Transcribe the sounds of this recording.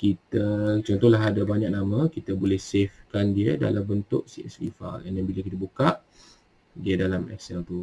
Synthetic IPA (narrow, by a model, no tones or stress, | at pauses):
kit̪ət͡ʃɔnt̪ɔhlaɦadabaɲak̚namãkit̪abolɛhsefkandiəda̰lambənt̪ʊ̰ʔsiʔɛ̰slḭfa̰lanjanbilakit̪abukaʔ | diədalamɛ̰ksɛlt̪u